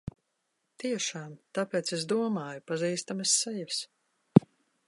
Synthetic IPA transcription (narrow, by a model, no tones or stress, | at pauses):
t̪iɛʃaːmt̪apʲɛːt̪ses̬d̪uɔmaːjupaziːst̪amesːɛjas